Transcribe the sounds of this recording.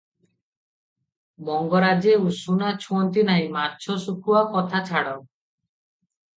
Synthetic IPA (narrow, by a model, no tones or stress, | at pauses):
mɔŋɡɔɾad͡ʒeusunat͡ʃʰuɔnt̪inaɦĩmaɾt͡ʃʰɔsukʰuwakɔt̪ʰat͡ʃʰaɽɔ